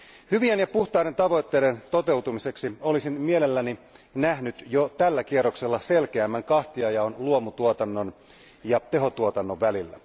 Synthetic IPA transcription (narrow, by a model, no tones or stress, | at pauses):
hyʋienjɑpuht̪ɑine̞nt̪ɑʋo̞jt̪ːe̞ːdent̪o̞t̪e̞uwt̪umise̞ksio̞lisinmielelːæninæhnyt̪jot̪ælːækierokselːɑse̞lkeæmːæŋkɑht̪iɑjɑonluomut̪uot̪ɑnːo̞n | jɑt̪e̞ɦo̞t̪uot̪ɑnːoʋʋælilːæ